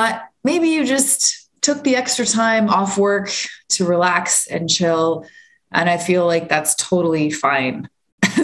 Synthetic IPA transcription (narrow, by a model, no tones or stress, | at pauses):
bʌt̚meɪbijɨd͡ʒʌsttʰʊk̚ðiɛkstɹ̥ɨtʰãɪ̃mɔfwɜ˞ktʰɨɹilæksɨ̰̃nt͡ʃʰɪlˠ | ʔɨ̰̃ñaɪfilaɪk̚ðætstʰoʊɾl̩ˠifãɪ̃n